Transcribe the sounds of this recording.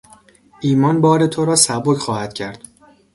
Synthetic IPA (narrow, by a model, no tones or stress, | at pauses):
ʔiːmɒnbɒːɾe̞t̪ʰoɾɒːsæbocxɒːhæd̪̥cʰæɾd̪̥